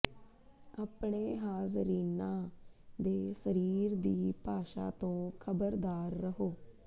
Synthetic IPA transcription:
aːpɳeːɦaːzɾiːnãːd̪eːsəɾiːɾd̪iːpaːʃa̰ːt̪õːkʰəbəɾd̪aːɾːəɦoː

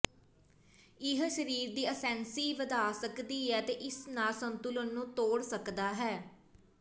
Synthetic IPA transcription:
ɪɦʃəɾiːɾd̪iːəsɛ̃ːnsiːʋəd̪aːsəkd̪iːɦɛːt̪eːʔɪsnãːsənt̪ʊlənːũːt̪oːɽsəkd̪aːɦɛː

